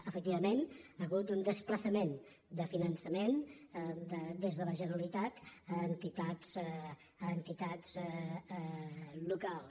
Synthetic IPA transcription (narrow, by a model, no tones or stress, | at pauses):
əfək̚t̪iβəmenəɣut̪und̪əspləsəmen | d̪əfinənsəmend̪əd̪ezðələʒənəɾəlit̪at̪ənt̪it̪az̥ | ənt̪it̪az | lukalˠs